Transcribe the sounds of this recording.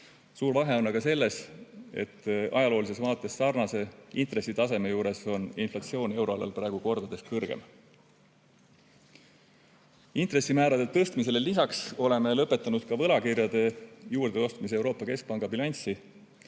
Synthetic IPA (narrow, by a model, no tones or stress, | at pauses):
suːɾvɑɦe̞o̞nːɑɡ̥ɑse̞lːe̞se̞̰t̪ːɑ̰jɑlo̞ːlise̞svɑːt̪ːˑe̞sːɑrnɑse̞int̪re̞sːit̪ɑse̞me̞juːɾe̞so̞ninflɑt̪sio̞ːnʲe̞wɾo̞ɑlɑ̰lpɾæeɡ̥uko̞rd̪̥ɑd̪̥e̞skɤrɡ̥ḛm | int̪ɾe̞sːimæːɾɑd̪̥et̪ɤst̪mis̬e̞le̞lisɑkso̞le̞me̞lɤpːˑe̞t̪ːˑɑnud̪̥̚kɑvɤ̞lɑkirjɑd̪̥e̞juːrd̪̥eo̞st̪mis̬eewɾo̞ːpːˑɑke̞sk̚pɑŋɡ̥ɑbilɑnʲsi